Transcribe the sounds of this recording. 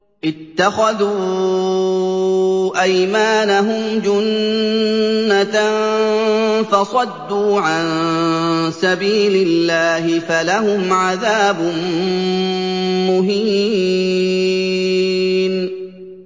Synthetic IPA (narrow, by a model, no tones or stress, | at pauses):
ʔɪt̪ːaxaðuː | ʔajmaːnaɦʊmd͡ʒʊn | a | fɑsˤɑd̪ːuːʕan | sabiːlɪlːaːhɪfalahʊmʕaðaːbʊ | mʊɦiː | n